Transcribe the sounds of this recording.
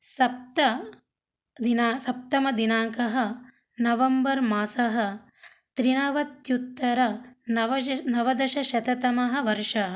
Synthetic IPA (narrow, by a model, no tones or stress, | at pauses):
sɐp̚t̪ɐ | d̪inaːsɐp̚t̪ɐmɐd̪inaːŋkɐɦɐ̆ | nɐʋɐmbɐɾmaːsɐɦɐ̆ | t̪ɾinɐʋɐt̪jut̪ːɐɾɐ | nɐʋɐd̪ɐʃɐʃɐt̪ɐt̪ɐmɐɦɐ̆ʋɐɾʂɐɦ